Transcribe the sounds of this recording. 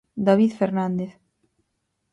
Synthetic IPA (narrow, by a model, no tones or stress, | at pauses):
d̪aβiðfeɾnand̪eθ